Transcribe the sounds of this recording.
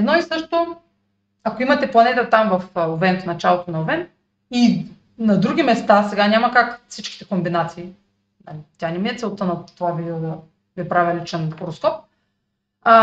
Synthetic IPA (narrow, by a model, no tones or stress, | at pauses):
ɛd̪nɔisɤʃt̪o | akoimɐt̪ɛplˠɐnɛt̪ət̪amvɐfovɛnt̪nɐt͡ʃalˠot̪onɐovɛn | i | nɐd̪ɾuɡʲimɛst̪asɛɡanʲamɐkakfsit͡ʃkʲi̥t̪ɛkombinat̪siː | nalit̪ʲjanɛmiɛt̪sɛlˠt̪ənɐt̪ːovavid̪ɛd̪ɐ | vipɾavʲɐlit͡ʃɛnkoɾoskɔp̚